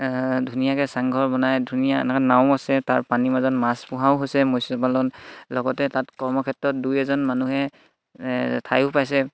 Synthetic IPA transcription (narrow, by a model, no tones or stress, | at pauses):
dʱunijakɛsaŋɡʱɔɹbɔnajdʱunija̰nakɔnaʊ̃asɛtaɹpanimazɔnmaspuɦaʊɦojsɛmojsɔpalɔnlɔɡɔtɛtatkɔɹmɔkʰɛtɹɔt̚dujɛzɔnmanuɦɛ | tʰajʊpajsɛ